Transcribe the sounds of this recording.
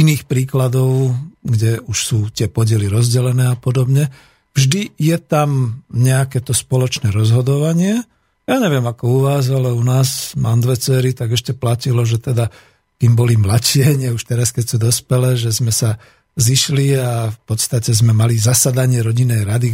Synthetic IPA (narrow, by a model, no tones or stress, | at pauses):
iniːxpɾiːklad̪ɔʊɡɟɛuʃsuːt̪ɪɛpɔɟɪɛliɾɔzɟɛlɛnɛːapɔd̪ɔbɲɛ | vʒd̪ijɛt̪amɲɛakɛt̪ɔspɔlɔt͡ʃnɛːɾɔzɦɔd̪ɔʋaɲɪɛ | jaɲɛʋɪɛmakɔuʋaːzalɛunaːzmand̪ʋɛt͡sɛɾit̪aɡɛʃcɛplacilɔʒɛt̪ɛd̪a | k̪imbɔlimlat͡ɕɪɛɲɪɛuʃt̪ɛɾaskɛcsuːd̪ɔspɛlɛːʒɛzmɛsa | ziʃliafpɔt̪st̪acɛzmɛmalizasad̪aɲɪɛɾɔɟinːɛjɾad̪i